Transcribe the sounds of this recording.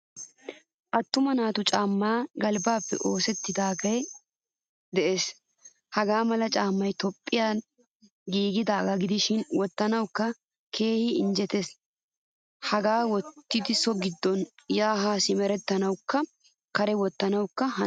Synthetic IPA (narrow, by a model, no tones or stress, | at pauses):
ʔɐt̪ːʊmɐnaːt̪ʊt͡ʃʼaːmːaːɡɐlbaːpːɛ̰ʔo̞ːsɛt̪ːɪd̪aːɡɐj | d̪ɛʔe̞ːs | hɐɡaːmɐlɐt͡ʃʼaːmːɐjt̪ɔpʼːɪjaː | ɡiːɡɪd̪aːɡɐɡɪd̪ɪʃɪnwɔt̪ːɐnɐwkːɐ | kʰe̞ːhɪɪnd͡ʒɛt̪es | hɐɡaːwɔt̪ːɪd̪ɪsɔɡɪd̪ːɔnjaːɦaːsɪmɛɾɛt̪ːɐnɐwkːɐ | kɐɾɛwɔt̪ːɐnɐwkːɐhɐ